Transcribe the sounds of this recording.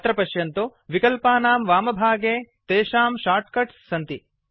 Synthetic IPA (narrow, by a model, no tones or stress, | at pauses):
t̪ɾɐpɐʃjɐnt̪uʋikɐlpaːnaːmʋaːmɐbʱaːɡeːt̪eːʃaːmʃaːɾʈ̚kɐʈsːɐnt̪i